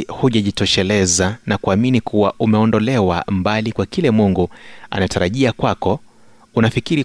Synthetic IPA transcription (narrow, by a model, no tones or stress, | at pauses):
huʄaʄitɔʃɛlɛzanakuaminikʰuwaʔumɛɔndɔlɛwambalikwakilɛmuŋɡua̰nataɾaʄiakwakɔ | unafikiɾi